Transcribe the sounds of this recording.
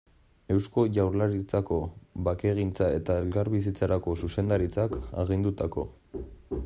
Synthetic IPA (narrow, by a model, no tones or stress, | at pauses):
e̞wsko̞ʝawɾlaɾit͡sako̞βake̞ɣ̞int͡sae̞t̪ae̞lkaɾβis̬it͡saɾako̞suse̞nd̪aɾit͡saka̰ɣ̞ind̪ut̪ako̞̰